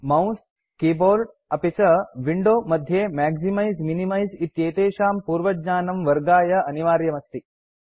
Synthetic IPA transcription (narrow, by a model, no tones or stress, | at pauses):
mɐ̃w̃s | kiːboːɾɖ | ɐpet͡ʃɐʋiɳɖoːmɐd̪ʱjemɛːɡzimajzminimɐjzit̪jeːt̪eːʃaːmpuːɾʋɐɡɲaːnɐmʋɐɾɡaːjɐɐniʋaːɾjɐmɐst̪i